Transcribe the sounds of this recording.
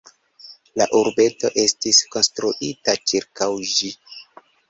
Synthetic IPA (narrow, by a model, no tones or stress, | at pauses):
la̰ʔuɾbe̞to̞ʔe̞stisko̞nstɾuʔitat͡ʃiɾkawʒi